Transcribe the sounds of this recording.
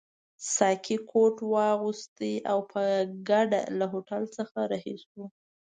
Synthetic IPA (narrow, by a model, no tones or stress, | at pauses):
sɑkʰikʰoʈwɑɣust̪eʔawpʰəɡaɖa̰laɦoʈalt͡səxaɾahisu